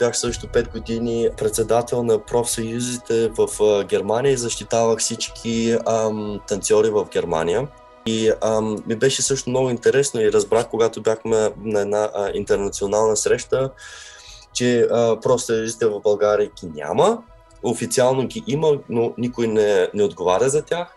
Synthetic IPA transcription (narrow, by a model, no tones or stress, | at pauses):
bjaxsɤʃt̪opɛt̪ɡod̪inipɾɛt̪sɛd̪at̪ɛlˠnɐpɾɔfsɐjuzit̪ɛvɐfɡʲɛɾmanijəizɐʃt̪it̪avəxfsit͡ʃkʲʰimt̪ɐnt̪sʲɔɾivɐvɡʲɛɾma̰nijə | imibɛʃɛsɤʃt̪omnɔɡʊint̪ɛɾɛsnoiɾɐzbɾaxkoɡat̪obʲjaxmɛnɐɛd̪naʔint̪ɛɾnɐt̪sionalˠnəsɾɛʃt̪ə | t͡ʃɛpɾɔfsɐjuzit̪ɛvɐvbɐlˠɡaɾijəɡʲinʲa̰mə | ofit̪sialˠnoɡʲiʔimənonikojnɛnɛod̪ɡovaɾʲəzɐt̪ʲax